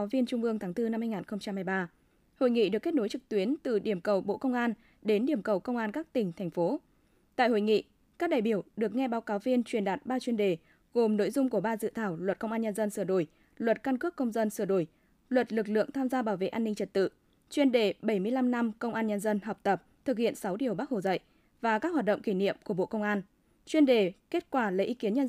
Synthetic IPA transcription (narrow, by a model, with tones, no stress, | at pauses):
vi˧ənt͡ɕʊ˧ŋ͡mʔɨ˧əŋt̪ʰaː˨˦ŋt̪ɨ˧na˧mhaː˧jŋaː˨˩nxə˧ŋ͡mt͡ɕa˧mhaː˧˩jɓaː˧ | ho̰˧˨jŋḭ˧˨ɗɨ˨˩əkːe˦˥t̚no˨˦jt͡ɕɨ˨˩k̚t̪wi˨˦ənt̪ɨ̰˧˨ɗi˧˩əmkə˨˩wɓo̰˧˨kə˧wŋ͡mʔaː˧n | ɗe˨˦nɗi˧˩əmkə˨˩wkə˧wŋ͡mʔaː˧nkaː˦˥k̚t̪ï˨˩ŋ̟t̪ʰɛ˨˩ŋ̟fo˨˦ | t̪a̰ː˧˨jho̰˧˩jŋḭ˧˨ | kaː˦˥k̚ɗaː˧˩jɓi˧˩əwɗɨ˨˩ək̚ŋɛ˧ɓaː˨˦wkaː˨˦wvi˧ənt͡ɕwi˧˩ənɗaː˨˩t̚ɓaː˧t͡ɕwi˧ənɗe˧˩ | ɣo˨˩mno̰˧˨jzʊ˧ŋ͡mku˧˩əɓaː˧zɨ̰˧˨t̪ʰaː˧˩wlwə˨˩t̚kə˧wŋ͡mʔaː˧ɲə˧nzə˧nsɨː˧˩əɗo˧˩j | lwə˨˩t̚ka˧nkɨ˦˥əkːə˧wŋ͡mzə˧nsɨ˧˩əɗo˧˩j | lwə˨˩t̚lɨ˨˩k̚lɨ̰˧˨əŋt̪ʰaː˧mzaː˧ɓaː˧˩wvḛ˧˨ʔaː˧nːï˧ŋt͡ɕə˨˩t̚t̪ɨ̰˧˨ | t͡ɕwi˧ənɗe˧˩ɓə˧˩jmɨ˧əjla˧mna˧mkə˧wŋ͡mʔaː˧nɲə˧nzə˧nɦɔ˨˩wk͡p̚t̪ə˨˩p̚t̪ʰɨ˨˩k̚hḭ˧˨ənsa˨˦wɗi˨˩əwɓaː˦˥k̚ho˧˩zə̰˧˨jʔ | vaː˨˩kaː˦˥khwaː˨˩t̚ɗə̰˧˨ŋ͡mki˧˩nḭ˧˨əmku˧˩əɓo̰˧˨kə˧wŋ͡mʔaː˧n | t͡ɕwi˧ənɗe˨˩ke˦˥t̚kwaː˧˩lə̰˧˨˦ʔi˨˦ki˨˦ənɲə˧